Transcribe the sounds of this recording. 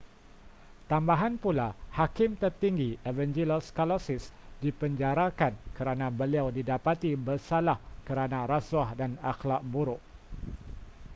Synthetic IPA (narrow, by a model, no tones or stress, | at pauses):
t̪ambaɦanpulahakɪmt̪ərt̪iŋɡievɛnd͡ʒiloskalosɪsdipəɲd͡ʒaɾakankəɾanãbəliawdidapat̪ibərsalahkəɾanãɾasuahdanaxlaʔ̚buɾʊʔ